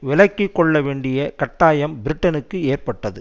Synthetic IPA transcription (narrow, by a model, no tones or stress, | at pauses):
ʋɪlɐɪkːɪkːɔɭːɐʋeːɳɖɪjɐkɐʈːaːjɐmbɪɾɪʈːɐnɯkːɯeːrpɐʈːɐðɯ